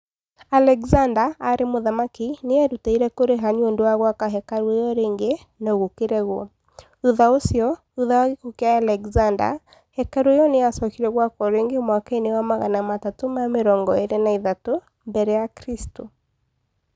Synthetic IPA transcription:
alɛɡzandaːɾemoðamakineɛɾutaiɾɛkoɾeɦaɲondoaɣwakaɦɛkaɾwejɔɾeːŋɡe | noɣokeɾɛɣo | uðaosiɔ | uðawaɣekokeaalɛɡzanda̰ | hɛkaɾoejɔneasɔkiɾɛɣwakɔɾeŋɡemwakainewamaɣa̰namatatomameɾɔːŋɡɔeɾenaiðato | mbɛɾɛjakɾisto

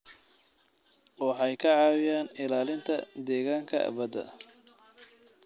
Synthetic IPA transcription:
wɑħɑjkʰɐʕɑːwɪjaːnɪlaːlɪnt̪ʰɐ̰d̪ɛːɣaːŋkʰɐ̰bɐd̪ɐ̰

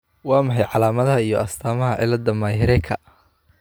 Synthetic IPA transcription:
wɑːmɐħɑjʕɑlaːmɐðɐɦɐijɔɐst̪ʰaːmɐɦɐʕɪ̰lɐd̪ɐmaːhɪɾɛjkʰɐ

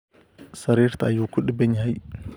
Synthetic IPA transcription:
saɾiɾt̪aːjukːuɗibeɲɦaj

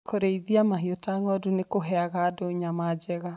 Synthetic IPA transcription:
kʰoɾeiðiamaɦiotaŋɔdunekoɦɛaɣaːdoːɲamad͡ʒɛɣa

